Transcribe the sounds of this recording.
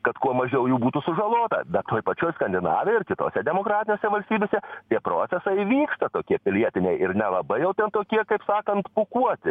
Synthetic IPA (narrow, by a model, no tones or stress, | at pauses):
kɐt̪kuɔmɐʒʲɛʊjuːbuːt̪ʊsʊʒɐlˠoːt̪ɐ̰b̪ʲɐt̪oːjpɐt͡ʃʲoɔjskɐnʲd̪ʲɪnɑ̰ːʋʲeɪrkʲɪt̪o̰ːsʲɛd̪ʲɛmoːkɾɑːt̪ʲɪnʲoːsʲɛʋɐlʲsʲt̪ʲiːbʲeːsʲɛt̪ʲiɛpɾoːt̪sʲɛsɐɪʋʲiːkst̪ɐt̪oːkʲiɛpʲɪlʲiɛt̪ʲɪnʲɛɪʔɪɾnʲɛlˠɐbɐɪjɛʊt̪ʲɛnt̪oːkʲiɛkɐɪpsɑːkɐnt̪pʊkuɔt̪ʲɪ